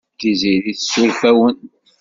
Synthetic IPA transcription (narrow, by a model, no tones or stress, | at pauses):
d̪iziɾiθsʊɾfæwən